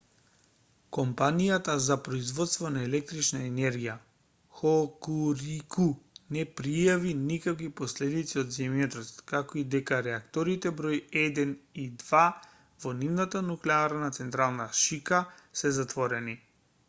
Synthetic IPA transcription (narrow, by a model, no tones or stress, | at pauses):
kɔmpanijat̪azapɾɔizvɔt̪st̪vɔnaɛlɛk̚t̪ɾit͡ʃnaɛnɛɾɡija | xɔkuɾikunɛpɾijavinikakvipɔslɛd̪it̪siɔd̪zɛmjɔt̪ɔt̪kakɔid̪ɛkaɾɛakt̪ɔɾit̪ɛbɾɔjɛd̪ɛnid̪va | vɔnivnat̪anuklɛaɾnat̪sɛnt̪ɾalˠnaʃikasɛzat̪vɔɾɛni